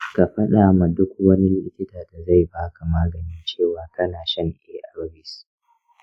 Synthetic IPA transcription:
ka˨ɸɐ˦ɗa˨ma˨dʊ˦kwɐ˦ni˦lɪ˦ɪ˦kʲɪ˦taː˨da˨za˦˨jbaː˦ka˨maː˦ɡɐ˨ni˦t͡ʃeː˦˨waː˨˦kɐ˦naː˨ʃɐ˦ŋʔeː˦ʔa˨ɾɐ˦bɪ˨s

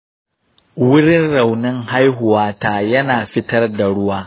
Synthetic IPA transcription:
wʊ˦ɾɪ˦nɾa˨wnɪ˦ŋɦa˦jɦʊ˨waː˦taː˨jɐ˦naː˨ɸɪ˦tɐ˦rda˨ɽʊ˦waː˦

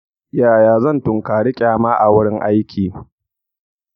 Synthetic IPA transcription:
jaː˨jaː˨zɐ˦˨ntʊ˨ŋkaː˨ɽɪ˦kʲʼaː˨maː˦ʔa˨wʊ˦ɽɪ˦ŋʔa˦jkʲʰiː˨

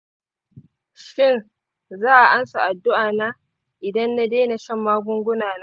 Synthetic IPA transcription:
ʃɪ˦˨n | zaː˦ʔa˨ʔa˦nsa˨ʔa˨dːʊ˦ʔaː˨naː˦ | ʔɪ˨dɐ˦nːa˦deː˦na˨ʃɐ˦˨mːaː˦ɡʷʊ˦ŋɡʷʊ˦naː˨na˦

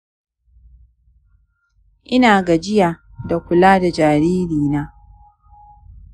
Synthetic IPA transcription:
ʔɪ˦naː˨ɡa˨d͡ʒɪ˦ja˨ | da˨kʷʊ˨laː˦da˨d͡ʒaː˨ɾiː˦ɾiː˨naː˦

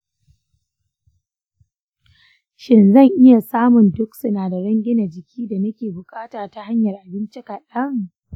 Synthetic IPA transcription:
ʃɪ˨nzɐ˦˨ŋʔɪ˦ja˨saː˦mʊ˨ndʊ˦ksʊ˦naː˨da˨ɽɐ˦ŋɡʲɪ˦na˨d͡ʒɪ˨kʲʰiː˦da˨nɐ˦kʲeː˨bʊ˨kʼaː˦taː˨ta˦ha˦ɲjɐ˨rʔa˨bɪ˦nt͡ʃɪ˦ka˨ɗɐ˦ŋ

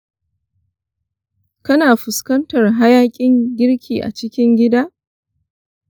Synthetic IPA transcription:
kɐ˦naː˨ɸʊ˨skɐ˦ntɐ˨rɦa˦jaː˦kʲʼɪ˦ŋɡʲɪ˦ɾkʲʰiː˨ʔa̰˨t͡ʃɪ˦kʲɪ˦ŋɡʲɪ˦daː˦

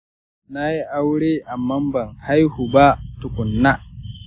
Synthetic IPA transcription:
na˦ji˦ʔa˦wɽeː˦ʔa˨mːɐ˦mbɐ˨ŋha˦jhu˨ba˦tʊ˨kʷʊ˨nːa˦

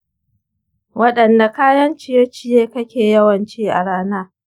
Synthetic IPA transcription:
wɐ˦ɗɐ˨nda˨kaː˦jɐ˦nt͡ʃɪ˦˨je˦t͡ʃɪ˦jeː˦kɐ˦kʲeː˨jɐ˦wɐ˨nt͡ʃiː˦ʔa̰˨ɽaː˦naː˦

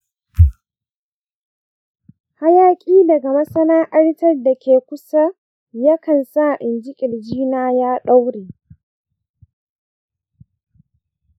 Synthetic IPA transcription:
ha˦jaː˦kʲʼiː˦dɐ˨ɡa˨mɐ˦sɐ˦naː˦ʔɐ˦ɽtɐ˦rda˨kʲeː˨kʷʊ˦sa˦ | ja˦kɐ˨nsa˦ʔɪ˨nd͡ʒɪ˦kʲʼɪ˨ld͡ʒiː˦naː˦jaː˦ɗa˦wɽeː˨

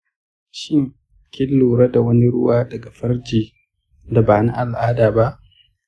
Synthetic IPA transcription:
ʃɪ˦ŋ | kʲɪ˦lːuː˨ɾɐ˦da˨wɐ˦ni˦ɽʊ̰˦waː˦dɐ˨ɡa˨ɸɐ˦rd͡ʒiː˨ | da˨baː˨na˦ʔa˨lʔaː˦daː˨ba˦ʔ

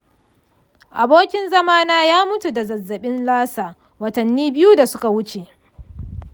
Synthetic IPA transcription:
ʔa˨boː˦kʲɪ˦nzɐ˦maː˦naː˦jaː˦mʊ˦tu˨dɐ˨zɐ˨zːɐ˨ɓɪ˦nlaː˦saː˨ | wɐ˨tɐ˨nːiː˦bɪ˦ju˦da˨sʊ˦ka˨wʊ˦t͡ʃe˨ʔ

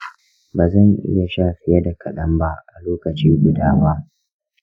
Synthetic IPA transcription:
baː˨zɐ˦˨ŋʔɪ̰˦ja˨ʃaː˦ɸɪ˦jɐ˦da˨kʰɐ˨ɗɐ˦mba˦ʔʔa˨loː˦kɐ˨t͡ʃiː˦ɡʷʊ˨daː˦waː˦

